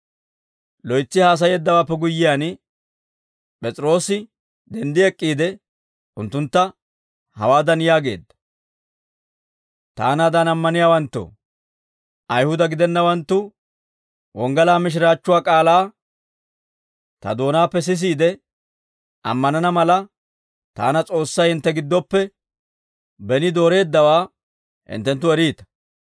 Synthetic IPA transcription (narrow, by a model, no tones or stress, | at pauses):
lɔjt͡sːɪhaːs̬ɐjɛd̪ːɐwaːpːɛɡʊjːɪjaːn | pʼɛt͡sʼɪɾo̞ːsɪ | d̪ɛnd̪ɪɛkʼːiːd̪ɛ | ʔʊnt̪ːʊnt̪ːɐ | hɐ̰waːd̪ɐnjaːɡe̞̰ːd̪ːɐ̥ | t̪a̰ːnaːd̪anɐmːɐnɪjaːwɐnt̪ːo̰ | ʔɐjhʊd̪ɐɡɪd̪ɛnːɐwɐnt̪ːʊ | wɔŋɡɐlaːmɪʃ̬ɪɾaːt͡ʃːʊwaːkʼaːlaː | t̪ɐ̰d̪o̞ːnaːpːɛs̬ɪs̬iːd̪ɛ | ʔɐ̰mːɐnɐnɐmɐlɐ | t̪a̰ːnɐt͡sʼo̞ːsːɐjhɪnt̪ːɛɡɪd̪ːɔpːɛ | bɛnɪd̪o̞ːɾe̞ːd̪ːɐwaː | hɪ̰nt̪ːɛnt̪̬ːʊɛɾiːt̪ɐ̥